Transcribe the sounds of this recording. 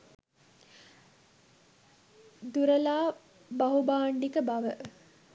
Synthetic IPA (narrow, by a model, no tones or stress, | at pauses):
d̪uɾəlaː | baɦubaːɳɖikəbaʋə